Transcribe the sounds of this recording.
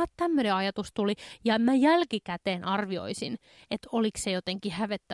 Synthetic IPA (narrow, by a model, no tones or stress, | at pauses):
ɑt̪t̪æmːøneɑjɑt̪ust̪ulijɑmæjælkikæt̪eːnʔɑrʋio̰isin | et̪oliksejot̪eŋkihæʋet̪ːæ